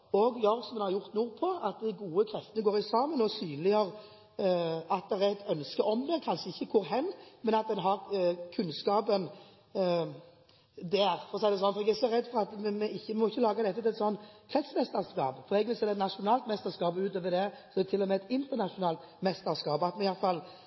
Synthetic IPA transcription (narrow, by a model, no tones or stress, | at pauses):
ɔɡjɑɾsɔmɛnhɑɾʁjʊʁt̪nuːpʰɔɑt̪̚d̪ɪɡuːəkʰɾɛft̪ənəɡoːʁɪsɑːmənɔsyːnlɪəʁ | ɑt̪̚d̪ɛʁæɛt̪ʰœnskəɔmd̪əkʰɑnʃəɪçːəkʰʊɾɦɛnːmɛnɑt̪̚d̪ɛnɦɑʁkʰʉnskɑːbən | d̪ɛːɾfɔʁɔsɛɪd̪ɛsɔnfɔʁɛɡæsɔʁɛd̪ːfɔʁɑt̪mmɛɪçːəmmɔɪçːəlɑːɡɑd̪ɛt̪ːəʉɛt̪sɔnːkʰʁɛt̪smɛst̪əʁskɑ̰ːpfɔʁɛɡʋɪlseːd̪ɛt̪nɑʂʊnɑːlt̪mɛst̪əskɑːbʉːt̪ʰøːʋəd̪ɛsɔɛd̪ɛt̪ʰɪlːɔmɛɛt̪ɪnt̪əʁnɑʂʊnɑːlt̪ | mɛst̪əɾskɑːbɑt̪mɛnɪjɑt̪fɑl